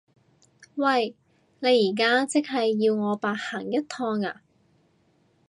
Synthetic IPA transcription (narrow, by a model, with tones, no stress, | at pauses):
wɐ˥˧˩j | ne˨˧jːiː˨˩k̬aː˥t͡sɪ˥k̚ɦɐ˨jːiː˧wŋɔː˨˧paː˨˧t̚haː˨˩ŋjɐ˥t̚t̪ʰɔː˧ŋa̰ː˧